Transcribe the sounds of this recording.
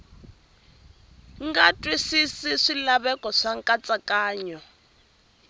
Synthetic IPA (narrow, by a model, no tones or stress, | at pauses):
ŋɡatʼwisisiʂilaβɛkʼɔʂaŋkʼat͡sʼakʼaːɲɔ